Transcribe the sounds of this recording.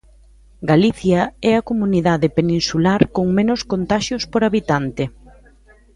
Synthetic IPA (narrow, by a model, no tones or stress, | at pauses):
ɡaliθjɐɛɐkomuniðaðɪpeninsulaɾkoŋmẽnʊskont̪aʃjospoɾaβit̪ant̪ɪ